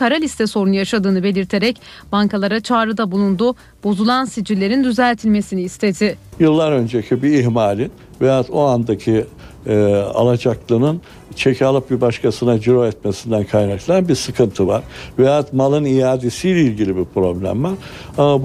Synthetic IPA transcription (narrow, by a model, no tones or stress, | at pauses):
kʰaɾalʲist̪ʰɛso̞ɾunjaʃad̪ɯːnɯbe̞lʲiɾt̪ʰe̞ɾɛc | b̥aŋkalˠaɾat͡ʃʰaːɾɯd̪abulˠund̪u | bo̞zulˠansid͡ʒiɾlʲe̞ɾind̪yzælʲt̪ʰilʲme̞siniːst̪ʰe̞d̪ɪjɯlˠːaɾø̞nd͡ʒecʰibiːɦmaːlʲin | vejat̪o̞and̪acʰi | a̰lˠad͡ʒaklˠɯnɯn | t͡ʃʰe̞cʰalˠɯp̚bibaʃkʰasɯnad͡ʒyɾoɛt̪mesind̪ænkʰajnaklˠanbiɾsɯkʰɯnt̪ʰɯvaɾ̥vejat̪malˠɯnijaːd̪esijlʲɛilʲɟilʲibiɾpɾo̞blʲæ̰mvaɾ